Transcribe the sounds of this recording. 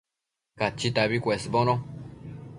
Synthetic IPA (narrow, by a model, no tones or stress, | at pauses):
kat͡ʃːit̪aβikʷesbono